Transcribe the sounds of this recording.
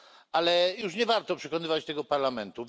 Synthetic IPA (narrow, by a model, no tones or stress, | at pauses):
alɛjuʂɲɛvaɾt̪ɔpʂɛkɔnɘvat͡ɕt̪ɛɡɔpaɾlamɛnt̪uv